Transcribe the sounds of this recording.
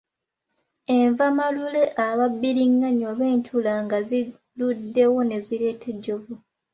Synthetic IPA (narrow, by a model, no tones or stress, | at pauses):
e̞ɱvamalule̞ʔaβabːiɾiŋːaɲo̞βe̞ːntʰulaŋɡazi | ludːe̞wo̞ne̞zile̞ːtʰe̞ɟːovu